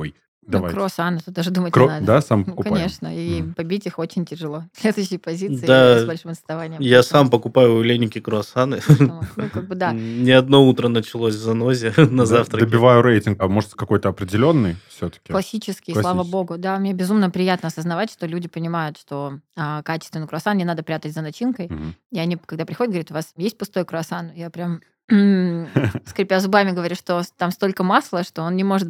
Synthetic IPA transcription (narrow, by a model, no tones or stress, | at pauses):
oj | d̪ɐvajkɾoɐsanɨt̪ot̪d̪aʐɨd̪umət̚ʲkond̪asampəkʊkɐnʲeʂnəipɐbʲitʲixo̞t͡ɕɪnʲtʲɪʐɨlˠo̞sʲlʲed̪ʊjʏɕːɪjpɐzʲit̪sɨd̪asbɐlʲʂɨmɐt̪snɐvanʲɪjəmjasampəkʊpajʊlʲenʲɪkʲɪkɾʊɐsanɨnnukaɡ̚bɨd̪anʲɪɐd̪no̞ut̪ɾənət͡ɕɪlˠosʲvzɐno̞zʲɪnɐzaft̪ɾəd̪əbʲɪvajʊɾejtʲɪnɡɐmo̞ʐət̪sʲkɐko̞jt̪əɐpɾʲɪdʲɪlʲo̞nːɨjfsʲot̪ə̥kʲɪklˠɐsʲːit͡ɕɪskʲɪlˠavəbo̞ɡʊd̪amnʲe̞bʲɪzumnəpɾʲɪjat̪nəɐsəznɐvatʲʂt̪o̞lʲudʲɪpənʲɪmajʊt̪ʂt̪o̞akat͡ɕɪ̥st̪vɪnɨjkɾʊɐsannʲɪnad̪əpɾʲat̪ətʲzənɐt͡ɕinkəjiɐnʲikɐɡd̪apɾʲɪxodʲɪtɡəvɾit̪ʊvasjesʲt̚ʲpʊst̪o̞jkɾʊɐsanjapɾʲam̩ | skɾʲɪpʲazʊbamʲɪɡəvɐɾʲiʂt̪ot̪amst̪o̞lʲkəmaslˠəʂt̪o̞onnʲɪmo̞ʐɨt̪